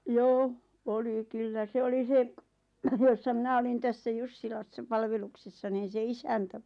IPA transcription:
joː oli kylːæ se oli se josːɑ mĭnæ olin tæsːæ jusːilɑsːɑ pɑlʋeluksesːɑ niːn̞ se isæntæ

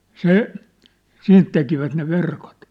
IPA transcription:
se siːnt tekiʋæt ne ʋerkot

